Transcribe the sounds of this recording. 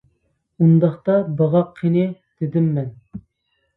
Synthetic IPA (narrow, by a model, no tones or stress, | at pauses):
und̪ɑχt̪ɑbɑʁɑqʰːenɪd̪̥ɪd̪ɪmːɛn